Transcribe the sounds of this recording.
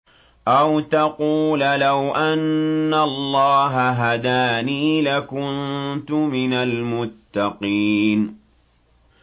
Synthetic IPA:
ʔawt̪ɑquːllawʔanːalˤːɑːɦaɦad̪aːniːlakʊnt̪ʊmɪnalmʊt̪ːɑqiːn

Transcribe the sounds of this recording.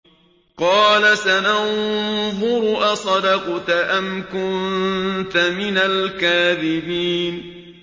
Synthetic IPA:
qɑːlasananðʊɾʊʔasˤɑd̪ɑqt̪ʔamkʊnt̪amɪnalkaːðɪbiːn

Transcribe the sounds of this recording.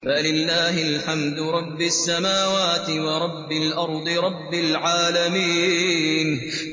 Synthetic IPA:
falɪlːaːɦɪlħamd̪ʊɾˤɑbːɪasːamaːwaːt̪ɪwɑɾˤɑbːɪlʔɑɾˤd̪ˤɨɾˤɑbːalʕaːlamiːn

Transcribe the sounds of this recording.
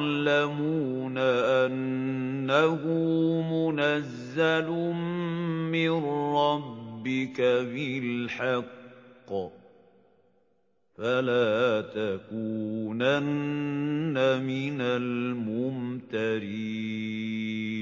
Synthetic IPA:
lamuːnaʔanː | ahʊmʊnazːalʊmmɪnɾɑbːɪkabɪlħɑqː | falaːt̪akuːnanː | amɪnalmʊmt̪aɾiː

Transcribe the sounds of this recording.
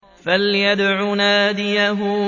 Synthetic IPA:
faljad̪ʕunaːd̪ɪjaɦʊ

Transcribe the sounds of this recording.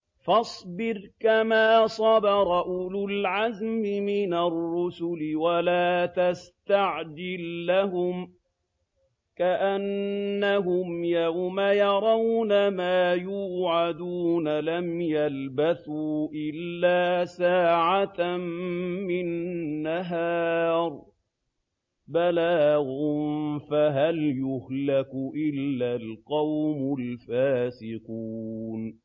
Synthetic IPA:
fɑsˤbɪɾkamaːsˤɑbɑɾˤɑʔʊlʊlʕazmɪmɪnarːʊsʊlɪwalaːt̪ast̪aʕd͡ʒɪlːaɦʊm | kaʔanːaɦʊmjawmajɑɾˤɑwnamaːjuːʕad̪uːnalamjalbaθuːʔɪlːaːsaːʕamːɪnːaɦaːɾˤ | balaːɣʊfaɦaljʊhlakʊʔɪlːalqɑwmʊlfaːsɪquːn

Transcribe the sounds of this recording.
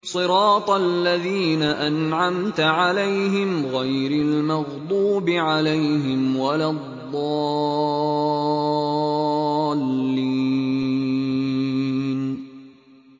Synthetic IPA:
sˤɨɾɑːt̪ˤalːaðiːnaʔanʕamt̪ʕalajɦɪmɣajɾalmɑɣd̪ˤuːbɪʕalajɦɪmwalaðˤːɑ | lːi | n

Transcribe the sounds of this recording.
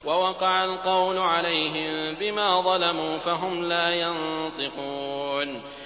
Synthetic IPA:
wawɑqɑʕalqɑwlʊʕalajɦɪmbɪmaːðˤɑlamuːfaɦʊmlaːjɑnt̪ˤɨquːn

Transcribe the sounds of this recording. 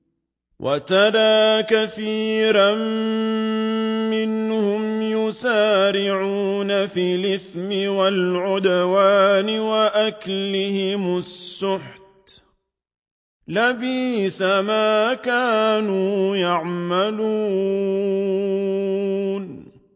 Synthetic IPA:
wʔa̰t̪ɑɾˤɑːkaθiːɾˤam | mːɪnhʊmjʊsaːɾɪʕuːnafiːlɪθmɪwalʕʊd̪awaːnɪwaʔaklɪhɪmʊsːʊħt̪ | labiːsamaːkaːnuːjaʕmaluː | n

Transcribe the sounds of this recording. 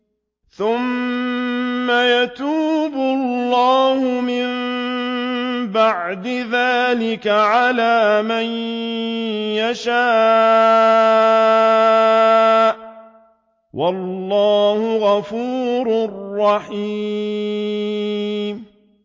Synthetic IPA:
θʊm | ajat̪uːbʊllːɑːhʊmɪm | baʕd̪ɪðaːlɪkaʕalaːman | jaʃaː | ʔ | wʔɑlːɑːhʊɣɑfuːɾʊrːɑħi | m

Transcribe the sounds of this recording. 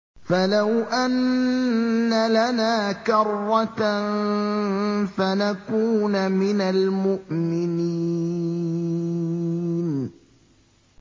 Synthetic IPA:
falawʔanː | alanaːkɑrˤːɑt̪ | fanakuːnmɪnalmʊʔmɪniː | n

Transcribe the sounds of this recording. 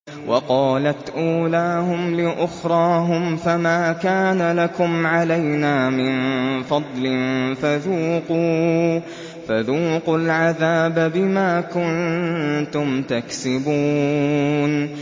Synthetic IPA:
wʔɑqɑːlat̪ʔuːlaːhʊmlɪʔʊxɾˤɑːɦʊmfamaːkaːnalakʊmʕalajnaːmɪnfɑd̪ˤlɪnfaðuːquː | faðuːqʊlʕaðaːbabɪmaːkʊnt̪ʊmt̪aksɪbuː | n

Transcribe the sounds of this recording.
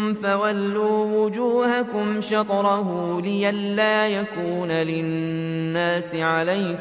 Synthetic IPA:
mfawalːuːwʊd͡ʒuːhakʊmʃɑt̪ˤɾˤɑɦʊlɪjalːaːjakuːnalɪː | aːsɪʕalaj

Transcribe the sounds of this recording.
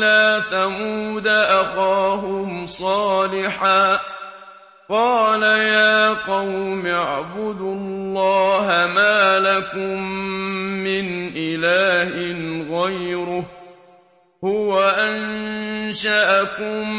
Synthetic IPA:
laːtamuːd̪aʔaxɑːɦʊmsˤɑːlɪħaː | qɑːlajaːqɑwmɪʕabʊd̪ʊllːɑːɦamaːlakʊmː | ɪnʔɪlaːhɪnɣajɾʊh | hʊwaʔanʃaʔakʊm

